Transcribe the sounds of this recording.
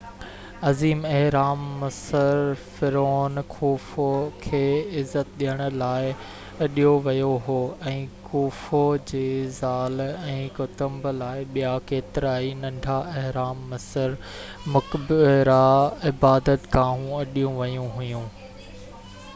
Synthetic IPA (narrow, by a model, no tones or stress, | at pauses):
ɐziːmɐɦɾaːmːɐsəɾfɪɾoːnkʰuːfokʰeːɪzət̪ɗijəɽ̃ʊ̆laːɪ | ɐɗijoʋɐjoɦoːɛ̃ːkuːfod͡ʑeːzaːlɛ̃ːkʊt̪ə̃mblaːɪɓijakeːt̪ɪɾaːinɐ̃ɳɖʱaɐɦɾaːmːɐsəɾ | mʊkbɪɾaɪbaːd̪ət̪kaːɦũɐɗijũʋɐjũɦʊjũː